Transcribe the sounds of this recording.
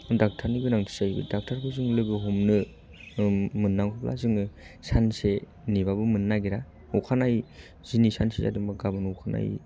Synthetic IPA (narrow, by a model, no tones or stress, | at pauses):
dak̚tʰaɾniɡɯnaŋtʰi̥sajbɯ̰dak̚tʰaɾbʰɯzɯŋlɯɡɯɦumnɯ | mɯnːaŋkʰɯpla̰zɯŋɯsanse | nibabɯmɯnːaɡiɾa | ukʰanaj | z̥inisa̰nseza̰dɯŋbaɡabɯnɔwkʰana̰j